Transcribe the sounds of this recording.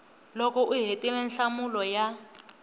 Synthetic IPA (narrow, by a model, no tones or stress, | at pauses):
lɔkɔʔuɦetʼilɛnɬamulɔja